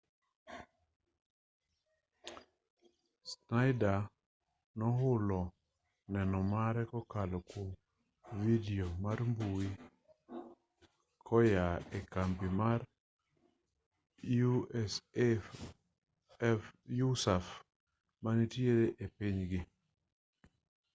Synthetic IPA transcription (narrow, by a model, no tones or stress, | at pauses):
snaɪda | nɔɦʊlɔ | nɛnɔmaɾɛkɔkalɔko | vidiomaɾmbuwi | kʰɔjaekampimaɾ | us | jusaf | manitjeɾeʔepiɲɡɪ